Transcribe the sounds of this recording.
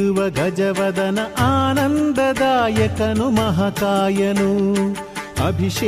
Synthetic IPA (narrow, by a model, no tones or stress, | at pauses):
ʋɐɡɐd͡ʒɐʋɐd̪ɐnɐʔaːnɐnd̪ɐd̪aːjɐkɐnumɐɦɐkaːjɐnu | ɐ̰bʱiʂ